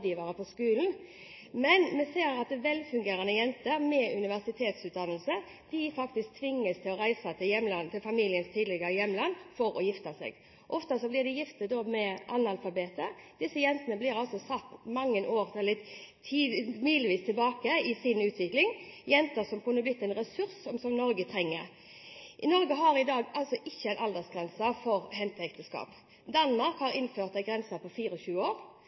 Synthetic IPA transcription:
d̪iːʋɑɾəpɔskʉːln̩ | mɛnmɛseːɾɑt̪̚d̪ɛʋɛlfʉŋɡeːɾɑnəjɛnt̪əɾmɛʉnɪʋæʁsɪt̪ʰeːt̪sʉːt̪̚d̪ɑnəlsə | d̪̥ɪfɑkt̪ɪsk̚t̪ʰʋɪŋːəst̪ʰɪlɔɾæɪsɑt̪ʰɪjɛmlɑnt̪ʰɪlfɑmiːlɪənst̪ʰiːd̪lɪɡəɾəjɛmlɑnfɔɾɔ̰jɪft̪əsɛ̰ːɡ | ʔɔft̪ɑsɔblɪʁd̪ɛjɪft̪əd̪oːmɛʔɑnɑlfɑbeːt̪əd̪̥ɪsːəjɛnt̪ənəblɪːɾɑlsɔsɑt̪ːmɑŋːənʔoːʁt̪ʰɛlːət̪ʰiːmyːlɪʋiːst̪ʰɪlbɑːkəɪsɪnʉːt̪ʰʋɪklɪŋjɛnt̪əsɔmkʉnːəblɪt̪ːɛɪnʁɛsʉɾsɔmsɔmnɔɾɡət̪ʰɾɛŋːəɾ | ʔɪnɔʁɡəɦɑɾɪd̪ɑːɡɑlsɔʔɪçːəæɪnʔɑld̪əsɡʁɛnsɑfɔɾɦɛnt̪əɛkt̪əskɑ̰ːp | d̪ɑnmɑʁkhɑʁɪnføːʁt̪d̪æɪɡʁɛnsɑpʰɔfiːɾəɔɕʉːəoːɾ

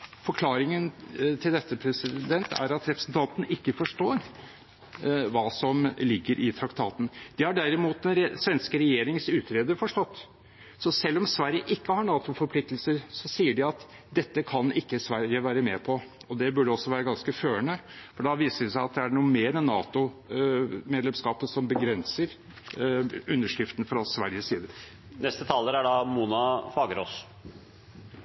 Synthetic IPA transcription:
fɔɾkʰlɑːɾɪŋənt̪ʰɪld̪ɛt̪ːəpʰɾɛsɪd̪ɛnt̪æ̰ɾɑt̪ɾɛpɾəsnt̪ʰɑnt̪n̩ɪkːəfɔʂʈoːɾ | ʋɑːsɔmlɪɡːəɾʔɪt̪ʰɾɑkt̪ʰɑːt̪n̩d̪ɪhɑɖæɾɪmuːt̪̚d̪ɛnɾɛsʋɛnskəɾɛjeːɾɪŋsʉːt̪ɾeːd̪əɾfɔʂʈɔt̪ː | sɔsɛlːɔmsʋæɾjəʔɪkːəhɑɳɑːt̪ʊfɔɾpʰlɪk̚t̪əlsəɾsɔsiːəɖɪɑt̪ | d̪ɛt̪ːəkʰɑnɪkːəsʋæɾjəʋæːɾəmeːpʰɔɔd̪ɛbʉɖəɔsːɔʋæːɾəɡɑnskəføːəɳəfɔɖɑʋiːsəɾʋɪsæɪɑt̪̚d̪ɛæɳuːəmeːɾɛnːɑ̰ːt̪ʊ | meːd̪lɛmskɑːpəsɔmbəɡɾɛnsəɾ | ʉnːəʂɾɪft̪ənfɾɑsʋæɾjəsiːd̪əɾ | nɛst̪ət̪ʰɑlːəɾæɖɑmuːnɑfɑːɡəɾoːs

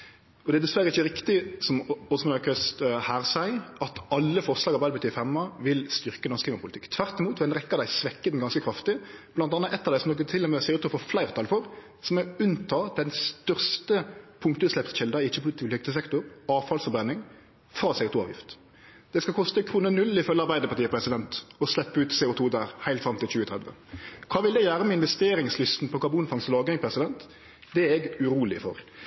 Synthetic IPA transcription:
ɔd̪ɛd̪ɛsʋæɾːəɪçːəɾɪkt̪ɪsɔmɔsɔmɛnɑʏkʰœst̪hæːʁsæɪɑt̪ɑlːəfɔʁʂlɑːɡɑbɛːd̪bət̪ʰyːɾfɛmːɑʋɪlst̪ʏʁkənɔʁskliːmɑpʊlɪt̪ɪkːt̪ʰʋæʁt̪ɪmuːt̪ʋɛnʁɛkːəd̪æɪsʋɛkːəd̪n̩ɡɑnskəkʰɾɑft̪ɪb̥̪ɑnɑnːəʔɛt̪ːɑʋd̪æɪsɔmnɔk̬ːət̪ʰɪlːɛmɛsɛɪʊt̪ʰuːfɔflæɪʁt̪ʰɑlfɔɾ | sɔmɛʉnt̪ʰɑːd̪̥ɛnst̪œʁst̪əpʰʊŋkt̪əslɛpt̪ʃɛld̪ɑɪɪt͡ʃːəpʰʊlɪt̪ʰɪlɪkt̪əsɛkt̪ʊɾɑːʋfɑlsfɔbɛnːɪŋ | fɾɑːsɛʊt̪uːɑ̰ːʋjɪ̰ft̪ | d̪̥ɛskɑlkʰɔst̪əkʰɾuːnənʉlːɪfœlːəɑɾbæɪd̪əpɑʈ̪ʰiːəpʰɾɛsɪd̪ɛnt̪ɔslɛpːʉːt̪seːʊt̪ʰuːd̪æːɾhæɪlt̪fɾɑmt̪ʰɪlt͡ʃʉːət̪ʰʁɛd̪ʋə̰ | kʰɑːʋɪld̪ɛɪjæːɾəmɛɪnʋɛst̪eːɾɪŋslʏst̪n̩pʰɔkʰɑbuːnfɑŋslɑːɡɾɪŋpʰɾɛsɪd̪ɛnt̪ | d̪ɛæɛɡʉɾuːlɪ̰fɔ̰ɾ

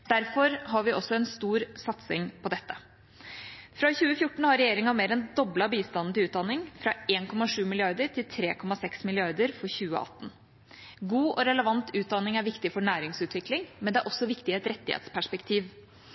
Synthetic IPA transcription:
d̪̥æɾfɔɾɦɑɾʋɪʔɔsːɔɛnst̪uːɾsɑt̪sɪŋpʰɔd̪ɛt̪ːə̥ | fɾɑçʉːəfjʊʈːɳ̩hɑɾɛjeːɾɪŋɑmeːɾɛnd̪ɔblɑbiːst̪ɑnn̩t̪ɪlʉːt̪̚d̪ɑnːɪŋfɾɑeːnkʰɔmɑʂʉːmɪlɪɑɾd̪əɾʈʰɪlt̪ʰɾeːkʰɔmɑsɛksmɪlɪɑɾd̪əɾfɔɾçʉːə̰ʔɑ̰t̪ːn̩ | ɡuːʔɔɾɛləʋɑnt̪ʰʉːt̪̚d̪ɑnːɪŋæɾʋɪkt̪ɪfɔɳæːɾɪŋsʉːt̪ʰʋɪklɪŋmɛnd̪ɛæɾʔɔsːɔʋɪkt̪ɪɛt̪ɾɛt̪ːɪhḛːt̪spʰæʂpɛkt̪ʰiːʋ

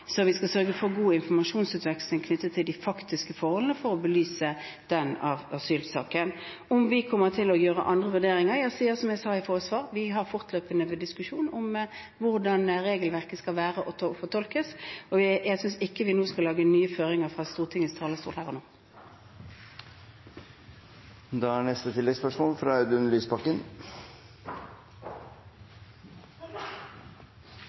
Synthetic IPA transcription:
sɔʋɪskɑsœɾɡəfɔʁɡuːɪnfɔʁmɑʃuːnsʉːt̪ʋɛkslɪŋkʰnʏt̪ːət̪ʰːɪld̪ɪfɑkt̪ɪskəfɔɾhɔlənəfɔʁɔbəlyːsə | d̪̥ɛnɑʋɑsyːlsɑ̰ːkən | ɔmʋɪkʰɔmːəʁt̪ʰɪlɔjøːʁə̰ʔɑnd̪ʁəʋʉʁd̪eːɾɪŋəɾjæsiːəsɔmjæsɑːɪfɔːʁəsʋɑːʁʋɪɦɑʁfɔʁt̪ʰløːpənəʋɛd̪ɪskʉʂuːnɔm | ʋʊʁɾd̪ɑnɾeːɡəlʋæʁkəskɑlʋæːʁəʔɔt̪fɔt̪ʰɔlkəsɔʋɪjæsʏnsɪkːəʋɪnoːskɑlɑːɡənyːəføːʁɪŋəʁfʁɑst̪uːʁt̪ʰɪŋəst̪ʰɑːləst̪uːʁt̪hæʁɔnoː | d̪ɑːæɳɛst̪ət̪ʰɪlɛɡspœʂmoːlfɾɑɑd̪ʉnlyːspʰɑkːən

